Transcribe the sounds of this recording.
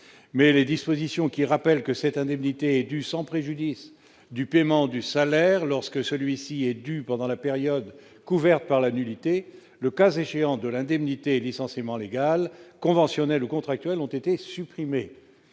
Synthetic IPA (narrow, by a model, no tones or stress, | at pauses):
mɛled̪ispozisjɔ̃kʲiʁapɛlkəsɛt̪ɛ̃d̪ɛmnit̪eɛd̪ysɑ̃pχeʒyd̪is | d̪ypemɑ̃d̪ysalɛʁlɔʁskəsəlɥisiɛd̪ypɑ̃d̪ɑ̃lapeʁjɔd̪ | kuvɛʁt̪̚paʁlanylit̪e | ləkazeʃeɑ̃d̪əlɛ̃d̪ɛmnit̪elisɑ̃semɑ̃leɡalkɔ̃vɑ̃sjɔnɛlukɔ̃t̪χak̚t̪ɥɛlɔ̃t̪et̪esypχime